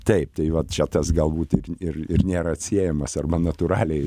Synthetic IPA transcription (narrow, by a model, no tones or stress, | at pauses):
t̪ɐɪp̚t̪ɐɪʋɐtt͡ʃʲɛt̪ɐsɡɐlˠbuːt̪ɪrɪrɪrnʲeːɾɐɐt̪ʲsʲiɛjɛmɐsɐrbɐnɐt̪ʊɾɑːlʲɛɪ